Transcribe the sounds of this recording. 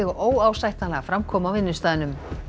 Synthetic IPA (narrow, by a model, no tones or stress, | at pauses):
ɪɣɔʔoːwawsajht̪nalɛɣafɾamkʰɔːmawvɪnːʏst̪aːðɪnʏm